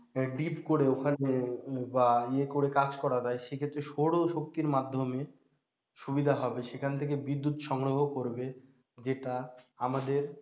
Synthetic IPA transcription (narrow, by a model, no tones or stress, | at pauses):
ɖipkoɽeokʰanebaekoɾekad͡ʑkɔɾad͡ʑaeʃekʰet̪ːɾeʃoɽoʃok̚t̪iɾmad̪ʱːome | ʃubid̪ʱaɦɔbeʃekʰant̪ʰek̬ebid̪ːut̪ʃɔŋɾoɦokoɾbe | d͡ʑeʈaamad̪eɾ